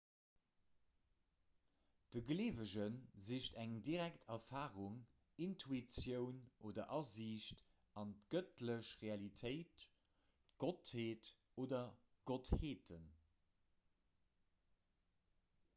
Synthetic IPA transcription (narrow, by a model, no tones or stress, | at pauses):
d̥əɡleːvəʑənziːʃtæŋdiʁæktʰɛfaːʁuŋ | intʰuit͡sjəʊnʔoːdɐʔɑziʃt | ɑntɡ̥ətləʃʁeɑlitʰəɪt | ɡ̥otheːt | oːdɐ | ɡ̥otheːtʰən